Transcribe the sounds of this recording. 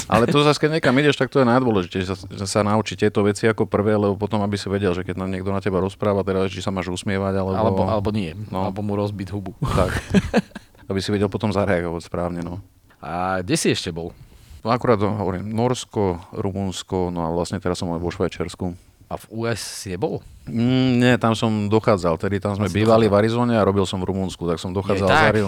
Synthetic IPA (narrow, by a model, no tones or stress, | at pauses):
ʔa̰lɛtt̪ɔzaskɛɟɲɛkamiɟɛʃt̪ak̚t̪ɔjɛnajd̪ʋɔlɛʒitɛʒɛsaʒɛsanaut͡ʃit̪ɛt̪ɔʋɛt͡siakɔpr̩ʋɛːlɛbɔpɔt̪ɔmabisiʋɛɟɛlʒɛkɛɟnamɲɪɛɡd̪ɔnacɛbaɾɔspɾaːʋat̪ɛɾazɛt͡ʃisamaːʒusmɪɛʋaɟalɛalɛbɔalɛbɔnɪɛnɔlbɔmuɾɔzbid̪ɦubut̪ak | abisiʋɛɟɛlˠpɔt̪ɔmzaɾɛaɡɔʋacspɾaːʊɲɛnɔ | aɡɟɛsiɛʃcɛbɔlnɔakuɾaːd̪ɦɔʋɔɾiːmnɔɾskɔɾumunskɔnɔaʋlasɲɛt̪ɛɾasːɔmʋɔʃʋajt͡ʃaɾsku | avuːɛsːiɲɛbɔl̩ | ɲɛt̪amsɔmd̪ɔxaːd͡zalt̪ɛd̪it̪amzmɛbiːʋaliʋaɾizɔːɲɛaɾɔbilsɔmvɾumunskut̪aksɔmd̪ɔxaːd͡zalaɾi